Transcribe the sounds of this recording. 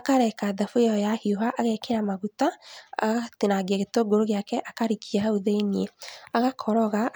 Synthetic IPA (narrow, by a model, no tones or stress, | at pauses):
akaɾɛkaðafojɔɔjahioɦaʔaɣɛkeɾamaɣutaa̰ɣatenaɡiaɣetoɡoɾoɣejakɛʔakaɾikʰiaɦauðenieaɣakʰɔɾɔɣa